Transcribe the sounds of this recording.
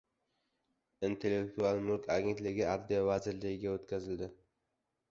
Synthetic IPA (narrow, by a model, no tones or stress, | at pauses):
int̪ʰe̞lːe̞k̚t̪ʰualˠmʊɾkʰʲaɡʲe̞nt̪lɪɡʲɪaɾd̪ijavazɪɾlɪɡʲɪɡʲaot̪kʲʰazɪld̪ɪ